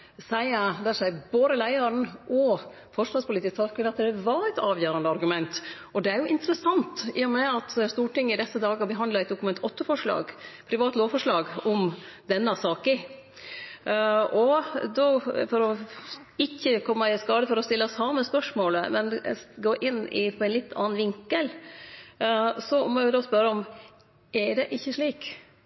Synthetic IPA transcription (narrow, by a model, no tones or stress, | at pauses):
sæɪəd̪æʂæɪboːd̪əlæɪəɾnʔɔ | fɔʂʋɑspʊlit̪ɪskt̪ʰɑkɪɑt̪d̪ɛʋɑɾæɪt̪ɑːʋjøːɾɑnd̪əɑɾɡʉmɛnt̪ʔɔd̪ɛæɾjʊʔɪnt̪əɾəsɑnt̪ɪjʊmɛɑt̪st̪uːʈɪŋːɪd̪ɛsːəd̪ɑːɡɑbəɦɑnd̪lɑɛt̪d̪ʊkʉmɛnt̪ʰɔt̪ːəfɔʂɭɑ̰ːɡpʰɾɪʋɑːt̪loːʋfɔʂɭɑːɡɔmd̪ɛnːəɑsɑːkə | ɔd̪oːfɔɾɔ | ɪçːəkʰɔmːəɪskɑːd̪əfɔɾɔst̪ɪlːɑsɑmːəspœʂmoːləmɛnɡoːʔɪnːɪ̰pʰɔɛnlɪt̪ʰːɑ̰ːnʋɪŋkəl | sɔmɔʋɪd̪oːspœɾəɔm | ʔæɖɛʔɪçːəʂɭiːk